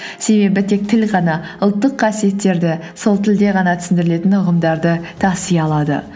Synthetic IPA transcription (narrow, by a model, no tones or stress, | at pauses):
se̞be̞bɪt̪ʰe̞k̚t̪ʰɪlʁɑnɑʊlˠt̪ːəqʰːɑsije̞t̪ːe̞ɾd̪ɪ | so̞lˠt̪ʰɪld̪e̞ʁɑnɑt̪ʰʏ̥sɪnd̪ɪɾɪle̞t̪ɪnʊʁəmd̪ɑɾd̪ət̪ʰɑsijɑlˠɑd̪ə̰